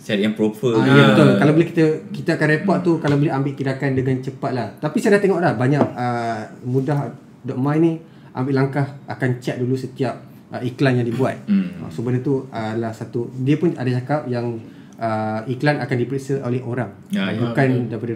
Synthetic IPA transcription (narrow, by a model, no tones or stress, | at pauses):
t͡ʃɛt̪̚jaŋpɾofəjabət̪ulkalawbəlɛhkit̪əkit̪əakanrepɔʔ̚t̪ukalabəlɛambɪʔkidakandəŋant͡ʃəpat̪̚laht̪apisadat̪eŋɔʔlahbaɲaʔəmũdaɦ | dɔʔmajnĩ | ʔa̰mbɪʔlaŋkahakant͡ʃɛt̪̚dulusət̪iap̚ | ʔəiklanjaŋdibuat̪̚ə̰səbənət̪uəlahsat̪udiəpʊna̰dat͡ʃakap̚jaŋ | ʔəiklanakandipɾeʔsəʔo̰lɛhoɾaŋ | bukandaipadə